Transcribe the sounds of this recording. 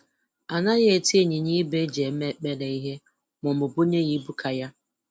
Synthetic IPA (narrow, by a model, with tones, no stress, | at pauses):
a˨na˦ɣe˦˨ti˦e˦˨ɲi˨ɲi˦be˦d͡ʒe˨˦me˦k͡pe˦le˨i˦ɦe˦ | mʊ˨m̩ʊ˨bu˦ɲe˦ɣi˦bu˦kʰa˨ja˦